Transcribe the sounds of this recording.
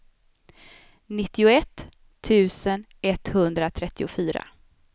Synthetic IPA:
nɪt̪ːɪʊɛt̪ʰː | ʉ̟ːsən | ɛt̪ːhɵnd̪ɾat̪ʰɾɛt̪ːɪʊfyːɾa̰

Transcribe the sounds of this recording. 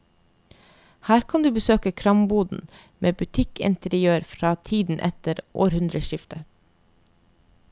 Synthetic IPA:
hæːɾkʰɑnd̪ʉːbəsøːkəkʰɾɑmbuːd̪n̩ | mʔeːbʉt̪ʰɪkɪ̰nt̪əɾɪøːɾfɾɑːt̪ʰiːd̪n̩ʔɛ̰t̪əɾʔo̰ːɾhʉnd̪ɾəʃɪft̪ə

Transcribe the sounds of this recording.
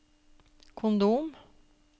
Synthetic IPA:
kʰʊnd̪uːm

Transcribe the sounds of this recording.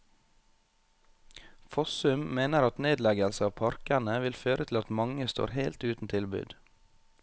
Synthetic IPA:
fɔsʉmmeːnəɾɑt̪neːd̪lɛɡəlsəɑːʋpʰɑɾkænəʋɪlføːɾʔət̪ʰɪlɑt̪mɑŋəst̪o̰ːɾheɪlt̪ʉːt̪n̩t̪ʰɪlbʉ̰ːd̪

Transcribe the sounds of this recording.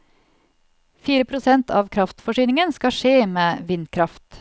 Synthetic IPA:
fiːɾəpʰɾʊsɛnt̪ʰɑ̰ːʋkʰɾɑft̪fɔʂyːnɪŋənskɑʂeːmeːʋɪnd̪kʰɾɑft̪

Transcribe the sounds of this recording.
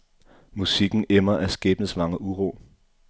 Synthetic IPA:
musiɡ̥n̩emɐʔæsɡ̥ɛːb̥nəsmɑ̈ŋəuʁo̰ː

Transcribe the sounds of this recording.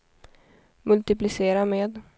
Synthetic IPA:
mɵlt̪ɪplɪseːɾameːd̪

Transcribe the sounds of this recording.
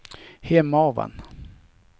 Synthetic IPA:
hɛmːaɔva̰n

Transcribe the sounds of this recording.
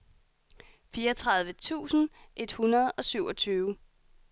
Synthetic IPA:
fiːɐt͡sʰʁɑ̈ð̞ˠʋət͡sʰṵːsn̩ʔe̝d̥hunɐð̞ˠɒ̽syʊɒ̽t͡sʰyːʊ

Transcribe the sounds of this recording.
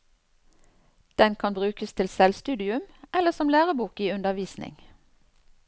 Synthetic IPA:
d̪̥ɛnkʰɑnbʁʉːkəst̪ʰɪlsɛlst̪ʉːd̪ɪʉmɛləsɔmlæːʁəbuːkiːʉnd̪əʋiːsnɪ̰ŋ

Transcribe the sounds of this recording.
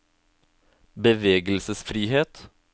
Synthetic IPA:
bəʋeːɡəlsəsfɾiːheːt̪

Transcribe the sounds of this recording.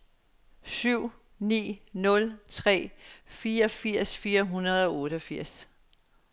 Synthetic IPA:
syʊ̰ | nḭːnɔ̽lt͡sʰʁɛ̰ːfiːɐɒ̽fiɐ̰sfiːɐɦunɐð̩ˠɒ̽ɔːɾəɒfiɐ̰s

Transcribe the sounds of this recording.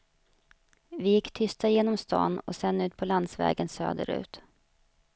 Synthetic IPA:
vɪjɪkːt̪ʰʏst̪ajeːnɔmst̪ɑ̰ːnɔ̰sɛnːʉ̟ːt̪̚pʰɔland̪svɛ̰ːɡənsø̰ːd̪ə̰ɾʉ̟ːt̪

